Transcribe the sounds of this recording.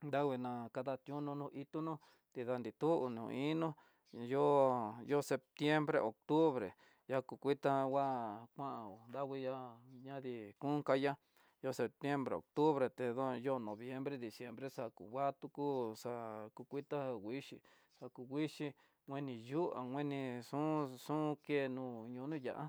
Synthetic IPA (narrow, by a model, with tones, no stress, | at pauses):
nd̪a˦wʷi˧nã˨˧ka˧ða˧t̪jũ˦nũ˧nũ˧ʔi˧t̪u˦nũ˦ | t̪i˧ða˧nd̪i˨t̪u˦ʔu˧nṵ̃˧i˦nũ˦ | jo˦jo˦se˧p̚t̪je˦mbɾḛ˧ʔo˨k̚t̪u˦βɾḛ˨ | ja˧ku˧kʷi˦t̪a˦wa˦kʷã˦ʔã˧˨o˨nd̪a˦wi˧ja˦ɲã˦ði˧kũ˦ka˦ja˦ | jo˧˦se˨p̚t̪je˦mbɾḛ˨o̰˨k̚t̪u˦βɾe˨t̪e˧ðo˦˧jo˦˧nõ˨βje˦mbɾe˦d̪i˨sje˧mbɾe˦ʂa˧kṵ˨wʷa˦t̪u˧ku˦ʂa˧ku˧kʷi˦t̪a˦wi˦ʂḭ˧˨ | ʂa˧ku˧ɡʷi˦ʃi˦ | ŋʷẽ˦nĩ˧ju˦a̰˨ŋʷẽ˦nĩ˧ʂũ˦sũ˦˧ke˦˨˧nũː˧˨ɲũ˧˨˧nũ˦ja̰˨ʔa˦